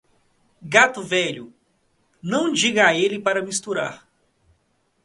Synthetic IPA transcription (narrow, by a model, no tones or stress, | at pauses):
ɡat̪ʊvɛʎʊ | nɐ̃w̃d͡ʒiɡɐaelɪpaɾɐmist̪uɾa̰ɾ